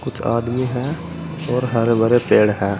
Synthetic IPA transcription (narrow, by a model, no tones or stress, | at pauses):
kʊt͡ʃʰa̰ːd̪miɦɛː | ɔːɾɦɐɾbəɾepeːɽɦɛː